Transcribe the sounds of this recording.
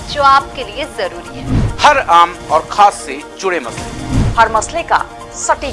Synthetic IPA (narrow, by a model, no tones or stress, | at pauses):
d͡ʒoːaːp̚keliezɐɾuːɾiɦɛːhɐɾaːmɔːɾxʰaːsːed͡ʒʊɽemɐslehɐɾmɐsleka̰ | sɐʈi